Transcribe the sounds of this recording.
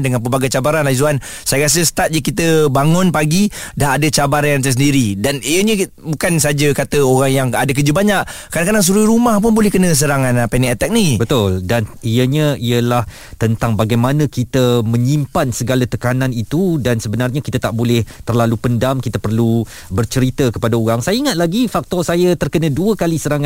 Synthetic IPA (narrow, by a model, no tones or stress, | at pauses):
ndəŋanpəbaɡajt͡ʃabaɾanlaizuan | sajakas̬əsə̥t̪at̪̚d͡ʒəkit̪əbaŋʊnpaɡidaɦadət͡ʃabaɾajãŋt̪əs̬əndiɾidanijəɲə | bukans̬ad͡ʒakat̪əoɾaŋjaŋadakəd͡ʒubaɲaʔkadãkadaŋs̬uɾuɾumahp̬ʊnbolɛhkənə̃s̬əɾaŋanpɛnɛʔɛt̪ɛk̚nibət̪ʊldaniəɲə̃iəlah | t̪ənt̪aŋbaɡajmãnə̃kit̪əmə̃ɲimpansəɡalat̪əkanãnit̪udansəbənarɲakit̪at̪aʔbolɛht̪ərlalupəndamkit̪əpərlu | bərt͡ʃəɾit̪əkəpadauɣaŋsajaiŋat̪̚laɡifak̚t̪ɔsajat̪ərkənə̃duəkalisəɾaŋã